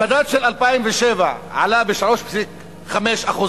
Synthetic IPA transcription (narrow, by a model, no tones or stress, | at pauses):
mad̪at̪ʃelalpaimveʃevaʕa̰labeʃalo̞ʃpsik | χameʃaχuz